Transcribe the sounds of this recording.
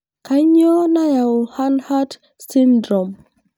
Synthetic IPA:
ka˦ɲɔ˦na˦ja˨ɔ˨ha˦nha˦d | si˦ndɾɔ˨m

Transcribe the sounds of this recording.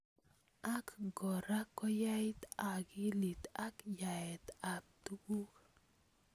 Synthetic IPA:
a˦kɡɔ˨ɾa˦kːɔ˦ja˦jt̪a˨ɡi˦li˨t̪a˦kja˨ɛ˨t̪a˨p̚t̪u˦ɡu˦k

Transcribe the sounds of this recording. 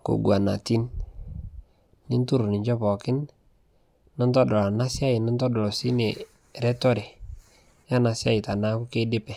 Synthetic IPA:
ko̰˨ɡwa˨na̰˨ti˦n | nɪ˦ntu˦ɾu˨nɪ˨ɲd͡ʒɔ˦pɔ˨kɪ˦n | nɔ˦ntɔ˦dɔ˨a˨na˦sja˦ɪ˨nɔ˦ntɔ˦dɔ˨lɔ˨si˦ne˨ | ɾɛ˦tɔ˦ɾe˨ | ja˦na˨sɪ˦a˦ɪ˨ta˨na˦kʊ˦ke˦dɪ˦pɛ˨

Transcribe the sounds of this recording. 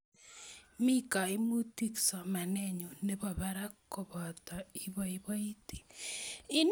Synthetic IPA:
mi˦ka˨i˦mu˦ti˦ksɔ˨ma˨nɛɲu˨ne˦βɔ˨βaɾa˦kːo˨βɔ˨ta˨i˦βɔ˦i˦βɔ˦i˦ti̥˨ | i˦n

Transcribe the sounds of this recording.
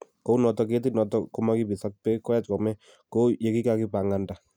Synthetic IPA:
ko˦u˦nɔ˨tɔ˨k̬e˦t̬i˦nɔ˨tɔko˦ma˦ki˦pi˨sa˦k̚pɛ˦kːɔ˦ja˦tkɔ˨mɛ˦ | ko˦je˦ki˦ka˦ki˦pa˨ŋa˨nda˨

